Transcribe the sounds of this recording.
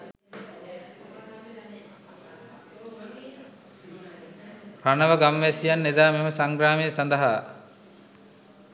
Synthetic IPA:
panəʋəɡamʋesijanːed̪aːmeməsaŋɡɾaːmijəsand̪ɐɦaː

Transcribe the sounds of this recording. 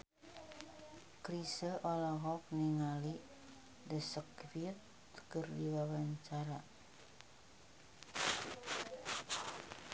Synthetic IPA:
kɾisəʔɔlɔɦɔk̚niŋali | dəsəkfit̪ | kərdiwawaɲt͡ʃaɾa

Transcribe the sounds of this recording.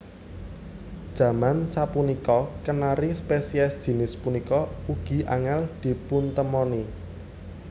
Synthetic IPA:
d̥ʒ̥ä̤mansapunikɔkənaɾispesiɛsd̥ʒ̥i̤nɪspunikɔuɡ̥i̤ʔa̰ŋɛld̪̥i̤punt̪əmɔni

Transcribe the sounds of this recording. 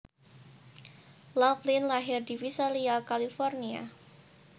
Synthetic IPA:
laklinlaɦɪrdifisaliakalifɔrnia̰

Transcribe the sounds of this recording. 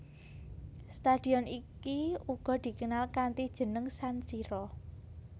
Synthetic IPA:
st̪ad̪̥i̤ɔnikiuɡ̥ɔ̤d̪̥i̤kənalkant̪id̥ʒ̥ə̤nəŋsansiɾɔ

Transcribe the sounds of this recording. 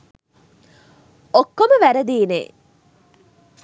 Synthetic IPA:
okːoməʋæɾəd̪iːnḛː

